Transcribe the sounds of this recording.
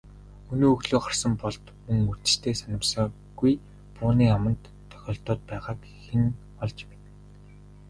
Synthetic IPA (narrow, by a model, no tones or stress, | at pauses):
ɵnoːɵɣɮoːχarsə̆mpɔɮt̪mɵŋurt̪ɘ̥̆t͡ɕt̪ʰeːsanʲə̆msɞ̆ŋ | ɡuj | pʊːniːamə̆nt̪ʰːœ̥xʲɔːɬt̪ɔːt̪̚pæːʁaːk | xen | ɔɮt͡ɕpet̪